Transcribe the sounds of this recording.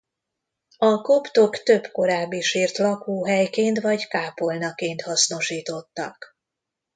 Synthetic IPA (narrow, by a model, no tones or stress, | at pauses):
ɒko̞pt̪o̞kt̪ø̞bko̞ɾaːbːiʃiːrt̪lɒkuːɦɛjkeːnt̪ʋɒɟkaːpo̞lnɒkeːnt̪hɒsno̞ʃiːt̪o̞t̪ːɒk